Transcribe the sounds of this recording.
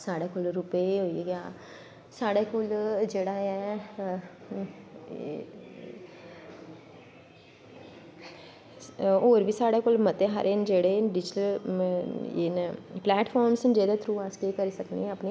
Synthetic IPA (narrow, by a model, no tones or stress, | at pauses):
saːɽekoːlɾʊpeɦoːieɡaː | saːɽeːkoːld͡ʒeːɽaːɛː | oːɾʋiːsaːɽekoːlmət̪eɦa̰ɾʔend͡ʒeːɽeɖɪd͡ʒɪʈəl | enplɛːʈfʰɔːɾmsnd͡ʒeːd̪at̪ʰɾuːaːskekəɾisəknḛəpne